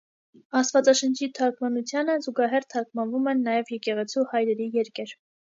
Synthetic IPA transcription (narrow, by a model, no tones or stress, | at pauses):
ɑst̪vɑt͡sɑʃənt͡ʃʰit̪ʰɑɾkʰmɑnut͡sʰjɑnəzuɡɑɦɛɾt̪ʰɑɾkmɑnvumɛnːɑjɛvjɛkɛʁɛt͡sʰuhɑjɾɛɾijɛɾkɛɾ